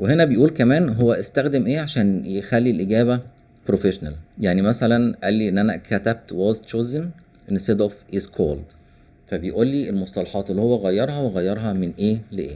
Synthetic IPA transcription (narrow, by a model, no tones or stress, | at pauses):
weɦenæbejʔuːlkæmæːnɦowːæʔest̪æxd̪emʔeːʕaʃæːnjexælːilʔeɡæːβæ | pɾofeʃnæ̰ljaʕnimæsælænʔælːiʔenːʔænækʰæt̪æb̚t̪wɑzt̪t͡ʃoːzen | ʔenst̪ed̪ʔofʔizkʰo̰ːld̪ | fæbejʔuːlːiʔelmosˤt̪ˤɑlɑħɑːt̪elːihowːæɣæjːɑɾˤhɑweɣæjːɑɾˤɦɑmenʔeːleʔḛː